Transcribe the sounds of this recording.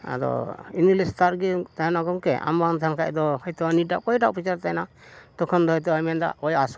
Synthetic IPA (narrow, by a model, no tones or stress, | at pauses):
a̰d̪ɔ̰inɡlɛst̪aɾɡit̪aɦɛnaɡɔŋkɛʔa̰mbant̪ʰankʰa̰ʔd̪ɔhɔjt̪ɔwaniɖaʔkɔjʈaʔpit͡ʃaɾt̪ajna | d̪̥ɔkʰɔnd̪ɔɦɔjt̪ɔajmɛnd̪a̰ɔjas